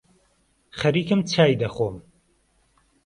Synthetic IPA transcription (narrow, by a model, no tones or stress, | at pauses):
χɐɾiːkɨmt͡sʰaːjd̪ɐxoːm